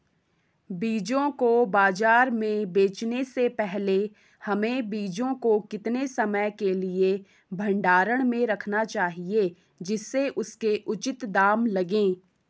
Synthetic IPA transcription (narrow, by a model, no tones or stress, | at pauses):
biːd͡ʒõkobaːd͡ʒaːɾmẽbeːt͡ʃnesepɛɦle | hɐmẽbiːd͡ʒõkokɪt̪nesɐməjkelie | bʱɐ̃ɳɖaːɾəɽ̃mẽɾɐkʰnat͡ʃaːɦie | d͡ʒɪsːeʔʊskeʔʊt͡ʃɪt̪d̪aːmlɐɡẽː